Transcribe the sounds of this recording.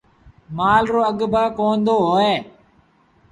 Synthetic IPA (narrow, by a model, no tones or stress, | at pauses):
maːlɾoːəɠbʱaːkoːnd̪oːɦoːeː